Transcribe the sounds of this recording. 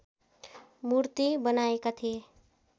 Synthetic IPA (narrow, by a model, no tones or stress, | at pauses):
muɾt̪ibənaekat̪ʰie